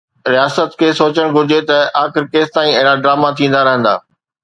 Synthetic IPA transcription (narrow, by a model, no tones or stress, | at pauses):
ɾijaːsət̪kʰeːsoːt͡ɕəɽ̃ɡʱʊɾd͡ʑet̪ɐaːxɪɾkeːst̪aːĩɐɦɪɾaɖɾaːmat̪ʰĩːn̆d̪aɾɐɦə̃nd̪a̰ː